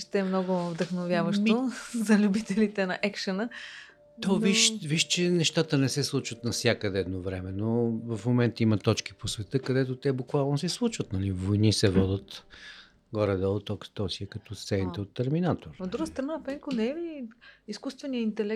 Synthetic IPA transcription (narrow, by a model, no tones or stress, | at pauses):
ʃt̪ɛːmnɔɡʊvd̪əxnovʲjavəʃt̪ozɐlʲubit̪ɛlit̪ɛnɐʔɛkʃɐnə | d̪ɔd̪viʃviʃt͡ʃɛnɛʃt̪at̪ənɛsɛslˠut͡ʃvət̪nɐfsʲjakəd̪ɛɛd̪novɾɛmɛnovɐfmomɛnt̪əimɐt̪ɔt͡ʃk̟i̥posvɛt̪ɤkɐd̪ɛt̪ot̪ɛbukvalˠnosɛslˠut͡ʃvət̪nɐlivojnisɛvɔd̪ət̪ | ɡɔɾɛd̪ɛlˠt̪ɔkst̪ɔsiɛkɐt̪ɔst̪ɛniɛot̪ːɛɾminat̪oɾod̪ɾuɡəst̪ɾɐnapɛŋkonɛɛiiskust̪vɛnijəint̪ɛlɛk